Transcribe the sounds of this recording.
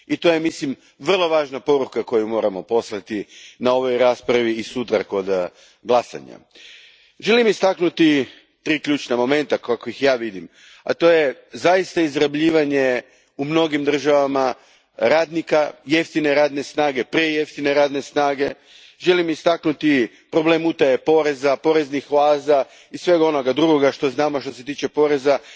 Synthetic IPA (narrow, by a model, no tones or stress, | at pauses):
it̪o̞jemislim | ʋr̩lˠo̞ʋaːʒnapo̞ɾukako̞jumo̞ːɾamo̞po̞slˠat̪inao̞ʋo̞jɾaːspɾaʋiːsut̪ɾako̞d̪ | ɡlˠasa̰ɲa̰ | ʒe̞limist̪aknut̪i | t̪ɾiːkʎʲuːt͡ʃnamo̞me̞nt̪akako̞ixjaːʋid̪im | a̰t̪o̞ːje̞zajist̪aizɾabʎiːʋaɲe̞ | umno̞ɡimd̪r̩ʒaʋama | ɾaːd̪nikaje̞ft̪ine̞ɾaːd̪ne̞snaːɡe̞pɾieje̞ft̪ine̞ɾaːd̪ne̞snaːɡe̞ | ʒe̞limist̪aknut̪i | pɾo̞ble̞mut̪ajepo̞ɾe̞zapo̞ɾe̞znixʋaːza | isʋe̞ɡo̞no̞ɡad̪ɾuɡo̞ɡaʃt̪o̞znaːmoʃt̪o̞s̬e̞t̪̬iːt͡ʃe̞po̞ɾeza